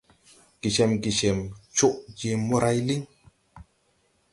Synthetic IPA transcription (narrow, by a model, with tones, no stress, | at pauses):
ɡ̥i˨t͡ʃɛ˨mɡi˨t͡ʃɛ˨mt͡ʃo˦ʔd͡ʒe˨mo˦ɾa˦jli˦ŋ